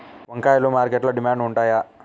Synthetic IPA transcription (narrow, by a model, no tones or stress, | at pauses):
ʋɐŋkaːjlumaːɾkeʈlɐɖimaːɳɖuɳʈaːja